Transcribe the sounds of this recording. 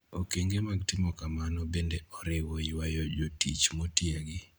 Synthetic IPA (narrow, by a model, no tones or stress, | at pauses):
okeŋɡemaɡtɪmɔkamanɔbendeɔɾɪwɔwajɔd͡ʒotḭt͡ʃmotjeɡɪ